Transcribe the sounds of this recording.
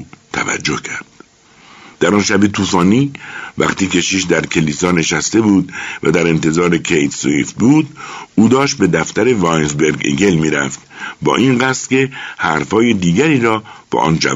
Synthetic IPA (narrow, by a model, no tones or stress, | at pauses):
t̪ʰæ̰væ̰d͡ʒːohkʰæɾd̪̥ | d̪̥æɾɒnʃæbet̪ʰuːfɒːniːvæ̰χt̪iːcʰe̞ʃiːʃd̪æɾcʲʰe̞liːsɒːne̞ʃæst̪e̞buːd̪væ̰d̪æɾe̞nt̪e̞zɒːɾekʰejt̪soift̪̚buːd̪uːd̪ɒːʃt̪̚be̞d̪æft̪æɾe̞vɑjnsbeɾɡḛɡe̞lmiːɾæ̰ft̪bɒ̰ːʔinɢæst̪ce̞hæɾfhɒːjed̪iːɟæɾiːɾɒːb̥ɒ̰ːʔɒ̰ːnd͡ʒæ̰